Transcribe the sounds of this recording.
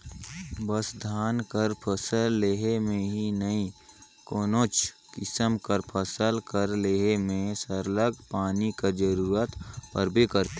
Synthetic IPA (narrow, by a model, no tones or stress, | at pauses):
bəsd̪ʱaːnkəɾpʰəsəlːeːɦemẽɦinəĩ | koːnoːt͡ʃ | kɪsəmkəɾpʰəsəlkəɾleːɦemẽsəɾləɡpaːnikəd͡ʒəɾuːɾət̪pəɾbʱikəɾt̪e